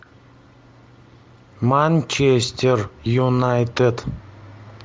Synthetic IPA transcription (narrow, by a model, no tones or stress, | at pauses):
manʲt͡ʃʰest̪ʲerjunajt̪ed̪